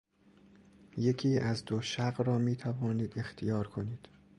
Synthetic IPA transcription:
je̞cʰiːʔæzd̪oʃæɢɾɒːmiːt̪ʰævɒːniːd̪e̞xt̪ʰijɒːɾkʰo̞niːd̪̥

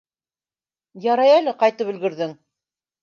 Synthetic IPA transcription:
jɑɾɑjælɘqɑjt̪ɤpɵ̆lɡɘ̆ɾðɘŋ

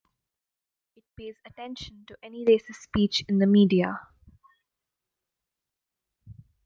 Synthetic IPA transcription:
ɪʈ̚peːzəʈɛ̃nʃə̃nʈuʔɛniɾeːsɪssːpiːt͡ʃɪ̃nd̪əmiːɖia

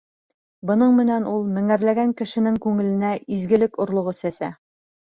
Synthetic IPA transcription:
bɤ̆nɤɴmɘ̆nænulˠmɘ̆ŋæɾlæɡæŋkɘ̆ʃɘ̆nɘŋkʉŋɘ̆lɘ̆næʔizɡɘ̆lɘkŏɾlˠŏʁɤsæsæ

